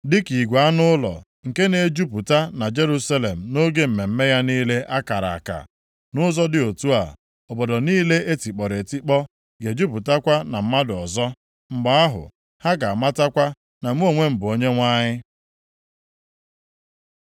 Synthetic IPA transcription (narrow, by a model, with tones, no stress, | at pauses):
dɪ˦ki˨ɡʷa˨a˦nʊ˦lɔ̰˨ | ŋ̩˨ke˦ne˨d͡ʒu˦pu˨ta˦na˨d͡ʒe˦ɾu˦sa˦le˨m̩˨no˦ɡe˦m̩˨me˨m̩˦me˦ja˦niː˦le˦ʔa˦ka˨ɾa̰˨a˨ka̰˨ | nʊ˦zɔ˦dɪ˦˨o˨tu˦a̰˨ | ɔ˨bɔ˨dɔ˨niː˦le˦e˦ti˨k͡pɔ˨ɾe˨ti˦k͡pɔ˦ | ɡe˨d͡ʒu˦pu˨ta˦kʷa˦na˨m̩˦ma˦dʊ˨ɔ˨zɔ˦ | ŋ͡m̩˨ɡ͡ba˨a˦ɦʊ̰˨ | ha˦ɡa˨a˨ma˦ta˦kʷa˦ | na˨m̩˦o˨ŋʷe˦m̩˨bʊ˨o˦ɲe˦ŋʷa˦ɲɪ˦